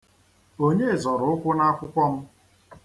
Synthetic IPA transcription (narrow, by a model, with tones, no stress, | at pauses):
o˦ɲe˦˨zɔ˨ɾʊ˨˦ʊ˦kʷʊ˦na˦kʷʊ˦kʷɔ˦m̩˦